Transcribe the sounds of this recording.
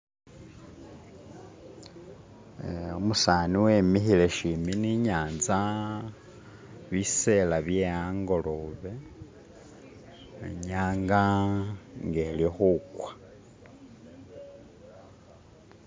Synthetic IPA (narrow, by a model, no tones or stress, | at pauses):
omusaːniwemihile̞ʃiminiɲaːnza | βiseːlaβjeaːŋɡo̞loβe̞ | eɲaːŋɡa | ŋɡelixukwḁ